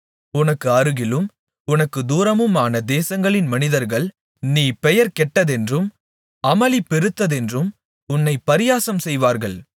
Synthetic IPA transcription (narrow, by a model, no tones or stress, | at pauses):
ʊnɐkːɯɐɾɯɣɪlɯm | ʊnɐkːɯd̪uːɾɐmɯmaːnɐd̪eːsɐŋɡɐɭɪnmɐnɪðɐɾɣɐɭ | niːpɛjɐɾkɛʈːɐðɛndrɯm | ɐmɐlɪpːɛɾɯt̪ːɐðɛndrɯm | ʊnːɐɪpːɐɾɪjaːsɐmsɛjʋaːɾɣɐɭ